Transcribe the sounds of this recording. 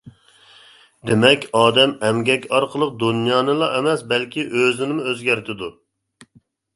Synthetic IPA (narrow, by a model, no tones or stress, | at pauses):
d̪emɛkʲɑːd̪ɛmɛmɡʲɛkʲɑɾqʰəlˠəq̚d̪unjɑːnɨlˠɑʔɛmɛsbɛlkʲiʔøzɪnɪmuøzɡʲæɾt̪ʰɪd̪u